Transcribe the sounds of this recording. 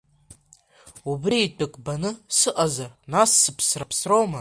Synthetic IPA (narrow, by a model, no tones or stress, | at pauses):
ubriːtʼɨkʼbanɨsɨʔazarnasːɨpʰsrapʰsrowma